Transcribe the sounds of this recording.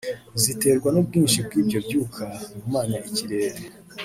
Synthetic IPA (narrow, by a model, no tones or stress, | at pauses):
zite̞ːɾɡwanob̚ɡiːnʃib̚ɡiːbɟo̞bjuːkʰaŋumaːnaiciɾe̞ːɾe